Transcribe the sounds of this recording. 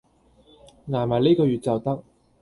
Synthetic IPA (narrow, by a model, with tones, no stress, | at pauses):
ŋaː˨˩maː˨˩jle˥jkɔː˧jyː˨t̚t͡sɐ˨˩wt̪ɐ˥k̚